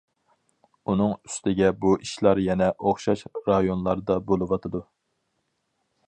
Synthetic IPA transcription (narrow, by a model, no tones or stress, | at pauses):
un̪ɨŋy̥st̪ʰɪɡʲɛbuʔiʃlˠɑɾjɛnɛʔoχʃɑʃɾɑjonlˠɑɾd̪ɑbolˠɨwɑt̪ʰɨd̪u